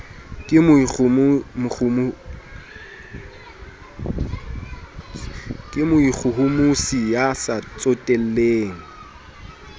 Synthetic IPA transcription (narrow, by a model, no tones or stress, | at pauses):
kʼɪmʊm | kʼɪmʊik͡xʰʊɦʊmusijasat͡sʼotʼɛl̩leːŋ̩